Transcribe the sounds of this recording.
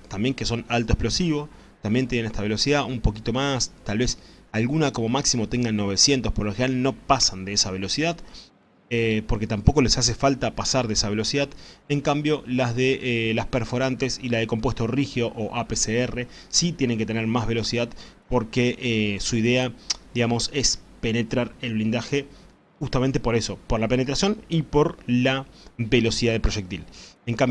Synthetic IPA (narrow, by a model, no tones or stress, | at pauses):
t̪ambje̞ŋkeso̞nalt̪oe̞hplo̞siβo̞ | t̪ambjent̪jenenest̪aβe̞lo̞siðaʔumpo̞k̬it̪o̞mast̪alβe̞salɣunako̞mo̞maksimo̞t̪eŋɡano̞β̞e̞sje̞nt̪ohpoɾloxenalno̞pasand̪eesaβe̞lo̞siðað | epo̞ɾke̞t̪ampo̞ko̞le̞sas̬e̞falt̪apasaɾðeesaβe̞lo̞siðaðeŋkambjo̞lazðelaspeɾfo̞ɾant̪esilaðeko̞mpwe̞st̪orixjo̞ʔoʔapeseere̞ | sit̪je̞ne̞ŋke̞t̪eneɾmazβe̞lo̞siðaðpo̞ɾkeʔesuiðe̞ad̪iɣamo̞se̞spe̞ne̞t̪ɾaɾelβlind̪axe̞ | xust̪ament̪epo̞ɾe̞so̞poɾlapene̞t̪ɾasjo̞nipo̞ɾlaβe̞lo̞siðaðepɾoʒek̚t̪ileŋkam